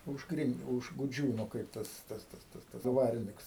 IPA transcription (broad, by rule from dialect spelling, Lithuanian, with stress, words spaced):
ʊʃˈkrʲɪnt ʊʃ ɡʊˈd͡ʒʲuːnʊ ˈkɐɪp tɐs ˈtɐs ˈtɐs tɐs ˈdʋɑːrʲɪnʲɪks